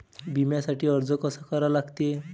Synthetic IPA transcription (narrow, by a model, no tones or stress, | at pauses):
bimjasaʈiːəɾd͡zəkəsakəɾalaɡt̪e